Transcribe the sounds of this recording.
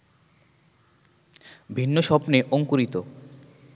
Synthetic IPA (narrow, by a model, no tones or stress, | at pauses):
bʱinːoʃɔpneʔoŋkuɾit̪o